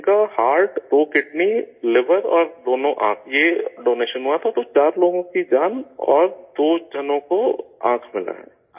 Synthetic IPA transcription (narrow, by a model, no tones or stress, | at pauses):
kahaːɾʈd̪oːkɪʈnilɪʋəɾɔːɾd̪oːnõʔã̰ːkʰjeɖoːneːʃənɦuat̪ʰat̪ot͡ʃaːɾloːɡõkid͡ʒaːnɔ̰ːɾd̪oːd͡ʒʱɐnõkoã̰ːkʰmɪla̰ɦɛ̰ː